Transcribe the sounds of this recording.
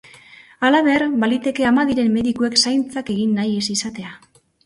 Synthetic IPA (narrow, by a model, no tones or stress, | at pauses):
alaβe̞rbalit̪e̞ke̞amaðiɾe̞mːe̞ðikue̞ksajnt͡sake̞ɣinːaje̞sisat̪e̞a